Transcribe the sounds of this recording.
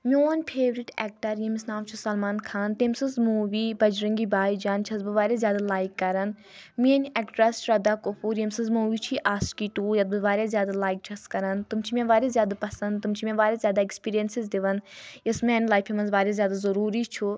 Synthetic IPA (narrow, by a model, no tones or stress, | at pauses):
mʲoːnʲpʰeːʋɾiʈɛːk̚ʈɐɾjɐmisnaːmt͡ʃʰusɐlmaːnkʰaːnt̪emsɐnzmuːʋiːbɐd͡ʒɾɐŋɡibaːid͡ʒaːnt͡ʃʰɐzbɨʋaːɾazjaːd̪alaːikːɐɾɐn | miɐnʲɐkʈɾɐsʃɾɐd̪aːkofuːɾjɐmsɐnzmuːʋiːt͡ʃʰiʔaːskiːʈuːjɐt̪̚bɨʋaːɾʲazʲjaːd̪alaːik̚t͡ʃʰɐskɐɾɐnt̪umt͡ʃʰimẽʋaːɾʲezʲjaːd̪apɐsɐnd̪t̪umt͡ʃʰimẽʋaːɾʲazʲjaːd̪aekspiːɾijɐnsizd̪iʋɐnjɐsmeːnlaːjfʰimɐnzʋaːɾʲazjaːd̪azɐɾuːɾit͡ʃʰu